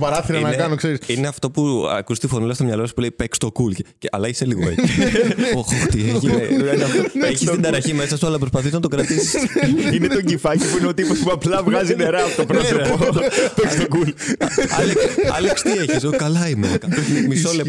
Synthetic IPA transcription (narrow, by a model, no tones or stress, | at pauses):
pɐɾɐθiɾɐnɐkɐnokse̞ɾisineɐft̪o̞puɐ̰kust̪ifonulɐst̪omɲɐlosu̥pulipekst̪o̞kulceceɐlɐʝeseliɣoḛcioxoxt̪ieçinft̪oeçist̪id̪ɐɾɐçime̞sɐsuɐlɐpɾospɐθiznɐt̪o̞kɾɐt̪isi̥sinet̪o̞ɟifɐcipuineot̪ipospuɐplɐvɣɐzineɾɐːpot̪opɾosofopekst̪okulɐleksɐ̰lekst̪ieçis̬okɐlɐimekɐmisole